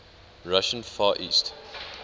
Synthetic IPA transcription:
ɹaʃə̃nfaːʔiːst

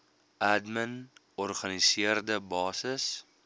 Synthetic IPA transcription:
ʔædmən | ɔrχɐnisiərdəbɑːsəs

